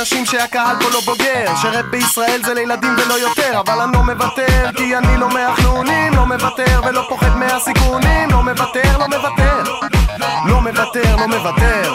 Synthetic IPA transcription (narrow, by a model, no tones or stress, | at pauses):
aʃimʃeakahalpolo̞bo̞ɡeʁʃeʁet̪̚beisʁae̞lzelejlad̪imvelo̞jo̞t̪eʁavalanlo̞me̞vat̪eʁkianilo̞meaχnuːnimlo̞mevat̪eʁlmelo̞po̞χed̪measikunimlo̞mevat̪eʁlo̞me̞vat̪eʁ | lo̞me̞vat̪eʁlo̞mevat̪eʁ